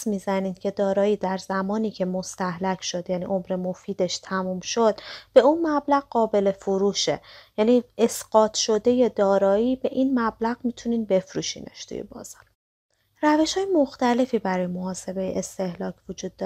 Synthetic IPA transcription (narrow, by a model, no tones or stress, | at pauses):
smiːzæniːd̪cʰe̞d̪ɒːɾɒːiːd̪æɾzæmɒːniːcʰe̞mo̞st̪æhlæcʰʃo̞d̪jæːnḭʔo̞mɾe̞mo̞fiːd̪e̞ʃt̪ʰæmuːmʃod̪b̥e̞unmæblæɣɢɒːbe̞le̞foɾuːʃejæniːesɢ̥ɒːt̪ʰʃo̞d̪e̞je̞d̪ɒːɾɒːiːbe̞ʔinmæblæɣmiːt̪ʰuniːnbe̞fɾṵːʃḭːnʔḛʃt̪ʰṵjḛbɒ̰ːz̥ɒːɾ | ræve̞ʃhɒːjemoxt̪æle̞fiːbæɾɒːjemo̞ɦɒːse̞be̞jḛʔest̪e̞hlɒːcʰvod͡ʒuːd̪̚ː